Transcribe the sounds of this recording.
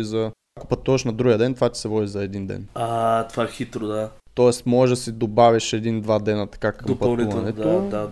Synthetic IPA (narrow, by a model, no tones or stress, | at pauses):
izɐ | akopɐt̪uvɐʃnɐd̪ɾuɡʲiəd̪ɛnt̪vat̪ʲi̥sɛvɔd̪izɐɛd̪ind̪ɛ̰nat̪ovaɛxit̪ɾod̪a | t̪ɔɛsmɔɛʒd̪ɐsid̪obaviʃɛd̪ind̪vad̪ɛnət̪ɐ̥kakɐmpɐtniuvnɛt̪od̪a